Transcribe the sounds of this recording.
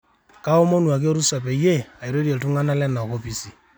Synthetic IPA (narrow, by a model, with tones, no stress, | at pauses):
ka˦o˦mo˦nu˨a˨ke˦ɾu˦sa˨pe˨je˦a˨i˨ɾe˦ɾi˦e˨ltu˦ŋa˦na˦lɛ˦na˨ko˦pi˦si˨